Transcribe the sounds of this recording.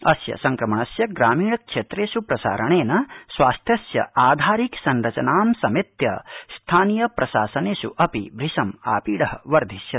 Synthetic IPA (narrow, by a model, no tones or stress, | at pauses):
ɐsjɐ̰sɐŋkɾɐmɐɳɐsjɐɡɾaːmiːɳɐkʂeːt̪ɾeːʃupɾɐsa̰ːɾɐɳeːnɐsʋaːst̪ʰjɐsjɐ̰aːd̪ʱaːɾiksɐnɾɐt͡ʃɐnaːmsɐmit̪jɐ̰st̪ʰaːnjɐpɾɐʃa̰ːsɐneːʃṵʔɐpibʱɾiʃɐma̰ːpiːɽɐɦɐʋɐɾd̪ʱisjɐ